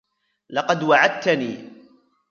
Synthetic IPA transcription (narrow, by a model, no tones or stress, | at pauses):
lɑqɑd̪waʕad̪̚t̪aniː